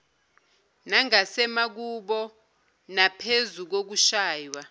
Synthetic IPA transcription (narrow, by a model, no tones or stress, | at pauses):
naŋasɛmak̬uɓɔ | napʰezuk̬ok̬uʃaːjwa